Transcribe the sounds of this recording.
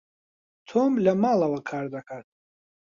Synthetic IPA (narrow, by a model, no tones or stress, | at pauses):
t̪ʰɔmləmalˠavakʰaɾd̪akʰaɾt̪̚ʰ